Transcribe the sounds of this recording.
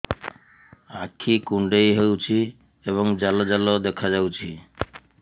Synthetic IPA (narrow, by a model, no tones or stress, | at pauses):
akʰːikuɳɖejɦewt͡ɕʰi | eβoŋd͡ʑalod͡ʑalod̪ɛkʰad͡ʑawt͡ɕʰi